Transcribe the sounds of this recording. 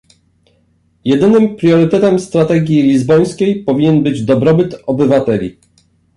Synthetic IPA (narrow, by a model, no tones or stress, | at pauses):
jɛd̪ɘnɘmpɾʲjɔɾɘt̪ɛt̪ɛmst̪ɾat̪ɛɡʲjilʲizbɔj̃skʲejpɔvʲiɲɛnbɘd͡ʑd̪ɔbɾɔbɘt̪ɔbɘvat̪ɛlʲḭ